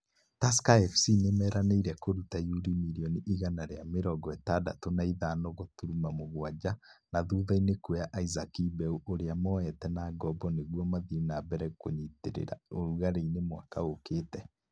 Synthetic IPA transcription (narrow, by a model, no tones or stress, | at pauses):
taskaɛfsinemɛːɾaneiɾɛkoɾutajuɾimiɾiɔniʔiɣanaɾeameɾɔɡɔɛtada̰tonaiðanɔɣotuɾumamoɣwad͡ʑanaðuðainekweaʔaizakibɛuʔoɾeamɔɛtɛnaːɡɔbɔneɣwɔmaðinabɛɾɛkoɲitḛɾḛɾa̰oɾuɣaɾeinemwa̰kaoketɛ